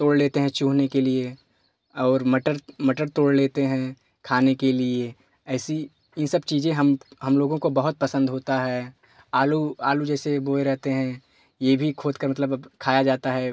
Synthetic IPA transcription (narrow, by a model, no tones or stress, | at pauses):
t̪oːɽleːt̪eɦɛ̃t͡ʃũːɦnekelie | ɔːɾməʈəɾməʈəɾt̪oːɽleːt̪eɦɛ̃ | kʰaːnekelie | ɛːsi | ɪnsəbt͡ʃiːzẽɦəmɦɐmloːɡõkobɐɦʊt̪̚pəsə̃nd̪ɦoːt̪aɦɛː | aːluaːlud͡ʒɛːseboːeɾɛɦt̪eɦɛ̃ | jebʱikʰoːd̪kəɾmɐt̪ləbkʰaːjad͡ʒaːt̪aɦɛ